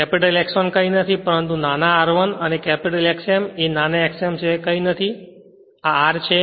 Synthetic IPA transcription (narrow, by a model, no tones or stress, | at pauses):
kɛpiʈəlɛksonkəinət̪ʰipəɾənt̪unanaaɾʋənənekɛpiʈəlɛksemenanaɛksemt͡ʃʰekəinət̪ʰi | aaɾt͡ʃʰe